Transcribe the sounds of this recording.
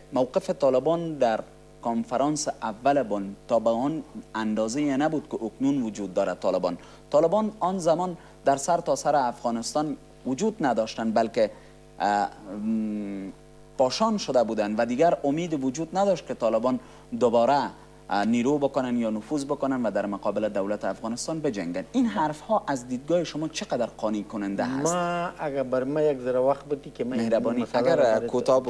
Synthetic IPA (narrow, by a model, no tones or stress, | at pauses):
mawqɪfɪt̪ɔlɪbɔnd̪aɾ | kɔnfaɾɑnsavːalɪbɔnt̪ɔbaɔnand̪ɔzeenabud̪̚kɪʔʊknunwʊd͡ʒud̪̚ːɔɾat̪ːɒlɪbɔ̰n | t̪ɒlɪbɔnɔnzamɔn | d̪aɾsaɾt̪ɔsaɾɪafɣɔnɪst̪ɒn | wʊd͡ʒud̪nad̪ɔʃt̪anbalkɪ | pɒʃɒnʃʊd̪abud̪and̪ʋad̪iɡaɾʊmed̪ɪwʊd͡ʒud̪nad̪ɒʃt̪̚ket̪ɔlɪbɔn | d̪ʊbɔɾa | niɾobɪkʊnanjɒnʊfuzbʊkʊnanʋad̪aɾmʊqɒbɪlɪd̪awlat̪ɪafɣɔnɪst̪ɔnbɪd͡ʒaŋɡaninɦaɾfhɔʔazd̪id̪̚ɡɔjeʃʊmɔt͡ʃʰɪqad̪aɾqɔnikʊnɪnd̪aa̰msaaɡaɾbaɾmajaɡzaɾawaxt̪̚bʊt̪ikemamehɾabɔniaɡaɾkʰot̪ɔb